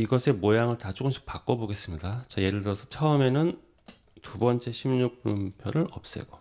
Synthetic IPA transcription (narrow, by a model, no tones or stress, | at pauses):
iɡʌsʰe̞mojaŋɯɭtat͡ɕ͈ok͈ɯmɕʰi̥k̚pak͈ʌboɡe̞s͈ɯmɲidat͡ɕaje̞ɾɯɭdɯɾʌsʰʌt͡ɕʰʌɯme̞nɯn | tubʌnt͡ɕ͈e̞ɕʰimɲuk̚p͈umpʰjʌnɯɾʌp̚s͈e̞̰ɡ̥o